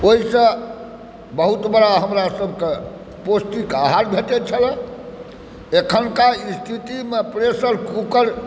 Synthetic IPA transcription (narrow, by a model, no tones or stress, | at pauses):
oɦisə̃ | bəɦut̪bəɾaɦəmɾasəbʱke | posʈikaɦaɾbʱeʈ̪et͡ʃʰələ̃ | ekʰənkaist̪ʰit̪imepɾesəɾkukəɾ